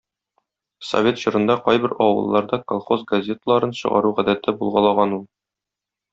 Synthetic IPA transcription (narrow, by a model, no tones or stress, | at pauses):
so̰vʲe̞t̪ɕɤ̆ɾɤ̆nd̪ɑqɒjbɘɾɒwɤ̰̆lˠːɑɾd̪ɑkolˠχozɡɐzʲe̞t̪əlˠɑɾɤnɕɤ̰̆ʁɑ̰ɾuʁæd̪æt̪ɘbulˠʁɑlˠɑʁɑnulˠ